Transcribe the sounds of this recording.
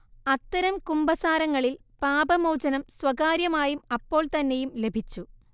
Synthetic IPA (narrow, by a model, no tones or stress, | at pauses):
ɐt̪ːɐɾɐmkumbɐsaːɾɐŋːɐɭil | paːbɐmowd͡ʑɐnɐmswɐɡaːɾjɐmaːjumɐpːo̞ːɭt̪ɐnːejumle̞bʱit͡ɕːu